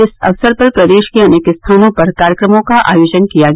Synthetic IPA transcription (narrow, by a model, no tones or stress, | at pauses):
ɪsɐ̰ʋsəɾpɐɾpɾɐd̪eːʃkiɐnekɪst̪ʰaːnõpɐɾkaːɾjəkɾəmõkaʔa̰ːjoːd͡ʒənkija